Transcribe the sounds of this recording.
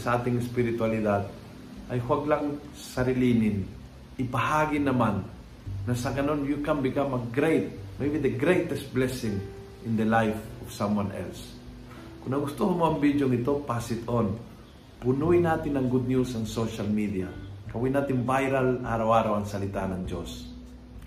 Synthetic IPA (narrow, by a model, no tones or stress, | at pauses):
sɐʔaːt̪ɪŋɪspɪɾɪt̪walɪd̪ad̪̚ | ʔɐjhwaɡlaŋ | sɐɾɪlinɪn | ʔɪpɐhaːɡɪnɐmanː | ɐsɐɡɐno̞njukambɪkamɐɡɾejt̪̚mɐivɛnd̪ɐɡɾejt̪ɛst̪̚blɛsɪŋ | ʔɪnd̪ɐlajfɔv̥samwanʔɛ̰ls | kʊnnɐɡʊst̪okɐmoɐŋbid̪joŋɪt̪o̞pasɪt̪on | pʊnuɪnaːt̪ɪnɐŋɡud̪̚njusɐŋsoʃalmid̪iakɐwinaːt̪ɪnvajɾalʔaːɾɐwaːɾawɐŋsɐlɪt̪anɐŋd͡ʒo̰s